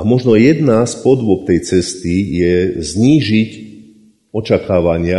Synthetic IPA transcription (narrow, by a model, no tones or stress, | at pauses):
amɔʒnɔjɛd̪naspɔd̪ʋɔk̚t̪ɛjt͡sɛst̪ijɛzɲiːʒic | ɔt͡ʃakaːʋaɲɪa